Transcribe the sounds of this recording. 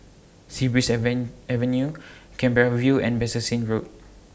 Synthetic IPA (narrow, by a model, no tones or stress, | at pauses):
sibɹisɛvə̃njukɛ̃mbɛɹavjuɛ̰̃nbɛsəsĩnɹot̚